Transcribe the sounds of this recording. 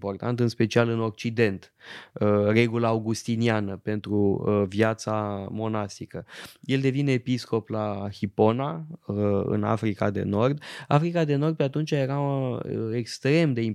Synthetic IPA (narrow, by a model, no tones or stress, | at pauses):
po̞rt̪ant̪ɨnspe̞t͡ʃialɨno̞k̚t͡ʃid̪e̞nt̪ | əre̞ɡulaːwɡust̪inianəpe̞nt̪ɾuvjat̪samo̞nast̪ikəje̞ld̪e̞vineːpisko̞plahipo̞na | ɨ̰na̰fɾika̰d̪e̞̰no̞rd̪afɾikad̪e̞no̞rd̪̚pe̞at̪unt͡ʃaje̞ɾa | ekst̪ɾe̞md̪e̞im